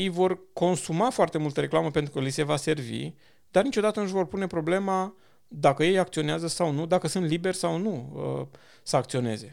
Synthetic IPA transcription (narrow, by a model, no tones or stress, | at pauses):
ejvo̞rko̞nsumafoart̪e̞mult̪əɾe̞klaməpe̞nt̪ɾukəlise̞vase̞rvḭ | d̪̥arnit͡ʃo̞d̪at̪ənɨʃ̬ʲvo̞rpune̞pɾo̞ble̞ma | d̪akəje̞jak̚t̪sio̞neazəsawnud̪akəsɨnt̪libe̞rʲsawnuə̰ | səak̚t̪sio̞ne̞̰ze̞